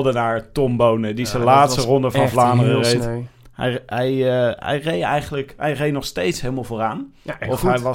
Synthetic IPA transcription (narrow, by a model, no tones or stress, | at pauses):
dənaːɹtɔmbownədisəlaːtstərɔndəvɑnvlaːmərərejt | hɛ̰jɦɛjɛ̰jrejɛ̰jχənələkɦɛjrejnɔχstejtsɦeːlˠmalˠvoːraːnɔfɛj